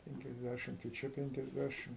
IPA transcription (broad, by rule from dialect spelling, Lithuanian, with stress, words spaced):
ˌpʲɛŋʲkʲɛzʲˈdʲæʃʲɪmt ɪ ˈt͡ʃʲɛ ˌpʲɛŋʲkʲɛzʲˈdʲæʃʲɪm